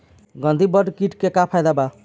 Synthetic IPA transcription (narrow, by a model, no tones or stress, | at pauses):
ɡʌnd̪ʱibʌɖkiʈkekapʰajd̪aba